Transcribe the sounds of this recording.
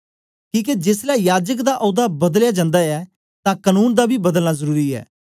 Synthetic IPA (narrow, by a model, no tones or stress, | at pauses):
kĩːk̬ed͡ʒɪslɛːjaːd͡ʒək̬d̪aʔɔːd̪aːbəd̪əljaːd͡ʒãːnd̪aːɛː | t̪ãːkənuːnd̪aːbʱiːbəd̪əlnaːzəɾuːɾiɛ̰ː